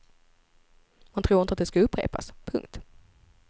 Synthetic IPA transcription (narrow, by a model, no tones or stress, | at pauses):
mant̪ʰɾuːɪnəat̪d̪ɛskaɵpːɾḛːpa̰spʰɵŋk̚t̪